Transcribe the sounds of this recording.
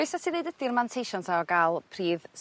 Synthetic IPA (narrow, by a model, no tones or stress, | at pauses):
ʊsasinðejdəd̥ɪrmantʰejʃɔntʰaɔɡalˠpʰriːðs